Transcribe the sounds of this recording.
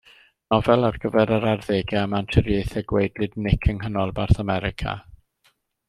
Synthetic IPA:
nɔvɛlˠarɡ̥əvɛɾəɾarðeːɡjaəmantʰɪɾjejθɛɡwejdlɨdnɪkʰəŋɦənɔlˠbarθamɛɾɪkʰa̰

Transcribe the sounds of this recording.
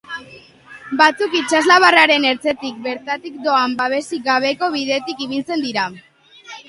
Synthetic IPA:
bat͡sukit͡ʃazlaβaraɾe̞ne̞ɾt͡se̞t̪ik̚be̞ɾt̪at̪ik̚d̪o̞ambaβe̞siɡaβ̞e̞ko̞β̞iðe̞t̪ikiβ̞ilt͡se̞nd̪iɾa

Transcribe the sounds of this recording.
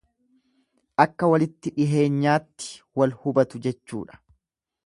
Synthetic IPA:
ʔɐkːɐwɐlɪt̪ːɪᶑɪɦe̞ːɲːaːt̪ːɪ̥wɐlhʊbɐt̪ʊd͡ʒɛt͡ʃːṵːᶑɐ̥

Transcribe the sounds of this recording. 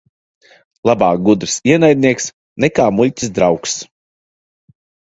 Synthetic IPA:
lˠabaːk̚ɡud̪ɾsiɛnajd̪̚ʲnʲiɛks | nɛkaːmulʲtʲi̥s̬d̪ɾawks

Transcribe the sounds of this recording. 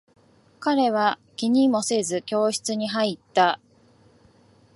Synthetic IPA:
kaɾe̞βakʲiɲ̟imo̞se̞zɨkʲo̞ːɕi̥t͡sɨɲ̟iɦait̪ːa

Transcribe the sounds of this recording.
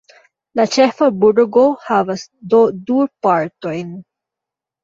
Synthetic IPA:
lat͡ʃɛfabuɖoɡohavɐsd̪od̪upaɹt̪ojn

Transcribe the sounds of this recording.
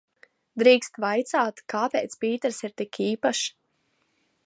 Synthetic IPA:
d̪ɾiːkst̪vajt̪saːt̪kaːpʲeːt̪spiːt̪ɛɾsiɾt̪ikʰiːpaʃ

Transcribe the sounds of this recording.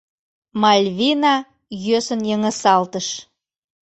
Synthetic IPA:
mɑlʲvinɑ | jøsənjəŋə̆sɑlt̪əʃ

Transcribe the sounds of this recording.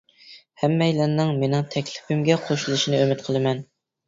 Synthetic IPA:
hɛmːɛjlæɾnːɪŋmenɪŋt̪ʰɛkʲlɪ̥pʰɪmɡʲɛqʰoʃulˠɨʃinɨømɪt̪̚qʰəlˠɨmɛn

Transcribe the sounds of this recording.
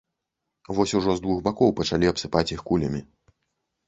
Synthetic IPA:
vɔsʲuʐɔzd̪vuɣbakɔwpɐt͡ʂalʲiɐpsɨpat͡sʲjixkulʲɐmʲi

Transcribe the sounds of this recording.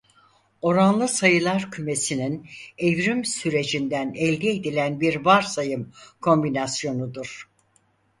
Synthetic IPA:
o̞ɾanlˠɯsajɯlˠaɾcʰyme̞sininevɾimsyɾe̞d͡ʒind̪ænɛlʲd̪ied̪ilʲænbiɾvaɾsajɯmkʰo̞mbinasjo̞nud̪uɾ̥

